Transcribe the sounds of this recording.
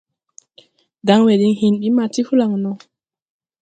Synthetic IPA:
da˨˦ŋwe˨ɗi˨˦ŋhi˨nɓi˦ma˨ti˦hu˦la˨ŋnɔ˨

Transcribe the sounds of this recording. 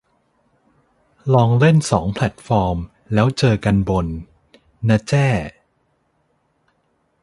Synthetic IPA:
lɔː˧ŋle˥˩nsɔ̰ː˩˦ŋpʰlɛ˨˩t̪̚fɔː˧m | lɛː˦˥wt͡ɕɤː˧ka˧nbo˧nː | a˦˥t͡ɕɛː˥˩

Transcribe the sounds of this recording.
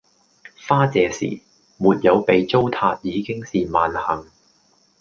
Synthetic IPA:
faː˥t͡sɛː˨˧sḭː˨˩ | muː˨t̚jɐ˨˧wpe˨jt͡so˥wt̪ʰaː˧t̚jiː˨˧kɪ˥ŋsiː˨maː˨nhɐ˨˩ŋ

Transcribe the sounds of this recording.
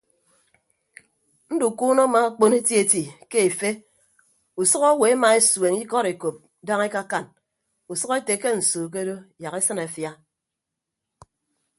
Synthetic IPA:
n̩˦du˨kuː˦no˦ma˨a˦k͡po˦ne˦tji˦e˦˨ti˨ke˦e˨fe˦ | u˨sʌ˦ko˦we˨˦ma˨e˦swe˨ŋi˦kɔ˦ɾe˨ko˨p̚ | da˦ŋe˦ka˦ka˦n | u˨sʌ˦ke˦te˨˦ke˦n̩˨soː˨k̬e˦do˦ja˨ke˦sɨ˦na˨fja˦

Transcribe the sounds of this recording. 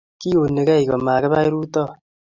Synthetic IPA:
ki˦o˨ne˨kɛ˦i˨kɔ˨maː˨kɛ˦βa˦i˦ɾuː˦tɔ˦˨

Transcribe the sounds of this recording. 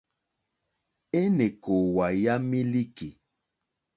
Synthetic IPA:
e˦ne˨ko˨wa˨ja˦mi˦li˦ki˨

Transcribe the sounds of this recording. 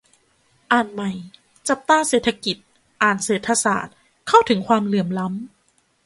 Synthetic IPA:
ʔaː˨˩nma˨˩j | t͡ɕa˨˩p̚t̪aː˥˩˨seː˨˩t̪ʰːa˧ki˨˩t̪̚ | ʔaː˨˩nseː˨˩t̪ʰa˧sa̰ː˨˩t̪̚ | kʰa˥˩wt̪ʰɯ˩˦ŋkʰwaː˧mlɯ˨˩əmla˦˥m

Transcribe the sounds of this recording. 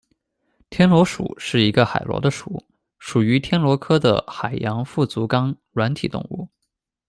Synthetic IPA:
t̪ʰjɛ˥nlwɔ˧˥ʂṵ˨˩˦ʂɻ̩˥˩i˧˥ɡə˧xa̰˨˩ɪlwɔ̰˧˥d̪ə˧ʂṵ˨˩˦ | ʂu˨˩y˧˥t̪ʰjɛ˥nlwɔ˧˥kʰɤ˥d̪ə̰˨xa˨˩ɪjɑ˧˥ŋfu˥˩t͡su˧˥kɑ˥ŋ | ɻwa˧˥nt̪ʰi˨˩t̪ʊ̰˥˧ŋṵ˥˩

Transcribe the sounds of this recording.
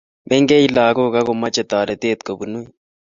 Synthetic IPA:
be˦ŋɡe˦i˦laː˨ko˦ka˦ko˨ma˦t͡ʃe˨t̪aː˨ɾe˨t̪eː˦t̪ko˨bu˨nu˦i

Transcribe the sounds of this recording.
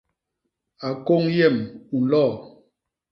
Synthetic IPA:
a˨ko˦ŋjɛ˦˨mu˨n̩˨lɔ˦˨

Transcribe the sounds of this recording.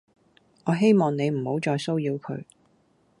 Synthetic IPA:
ɔː˨˧ɦe˥jmɔː˨ŋne˨˧jm̩˨˩ho˨˥wt͡ʃɔː˧jso˥wjiː˧wkʰɵ̰˨˧ɥ

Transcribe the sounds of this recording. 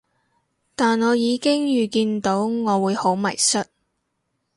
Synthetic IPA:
t̪aː˨nɔː˨˧jiː˨˧kɪ˥ŋjyː˨˩kiː˧nt̪o˨˥wŋɔː˨˧wuː˨˧jho˨˥wmɐ˨˩jsɵ˥t̚

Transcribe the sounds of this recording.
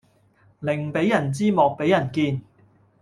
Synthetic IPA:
lɪ˨˩ŋpe˨˥jːɐ˨˩nt͡siː˥mɔː˨k̚pe˨˥jɐ˨˩nkiː˧n

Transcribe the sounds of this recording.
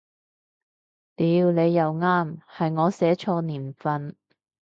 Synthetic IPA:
t̪iː˨˧wne˨˧jːɐ˨wŋaː˥mhɐ˨jŋɔː˨˧sɛː˨˥t͡ʃʰɔː˧niː˨˩nfɐ˧n

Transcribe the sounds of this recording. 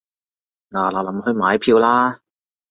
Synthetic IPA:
naː˨˩la˨˩lɐ˨˥mhɵ˧ɥmaː˨˥jpʰiː˧wlaː˥

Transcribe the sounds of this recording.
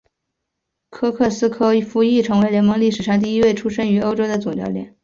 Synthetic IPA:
kʰɤ˥kʰɤ˥˩sɹ̩˥kʰɤ˥˩fu˧˥i˥˩ʈ͡ʂʰɤ˧˥ŋwe˧˥ɪljɛ˧˥nmɤ˧˥ŋli˥˩ʂɻ̩˨˩ʂɑ˥˧ŋt̪̬i˥˩i˥we˥˩ɪʈ͡ʂʰu˥ʂə˥ŋy˧˥o˥ʊʈ͡ʂo˥d̪ə˨t͡sʊ˨˩ŋt͡ɕjɑ˥ʊljɛ˨˩˦n

